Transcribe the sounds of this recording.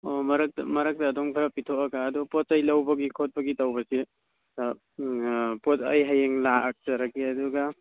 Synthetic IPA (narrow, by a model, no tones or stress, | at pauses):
omɐɾɐk̚tɐ̰mɐɾɐk̚tɐːdoŋpʰaɾɐpitʰoɐɡaːdupɔtɐjlɐwbɐɡikʰot̚bɐɡitawbɐsi | a | potɐ̰jɦajeŋlaɐk̚tɐɾɐkiɐduɡa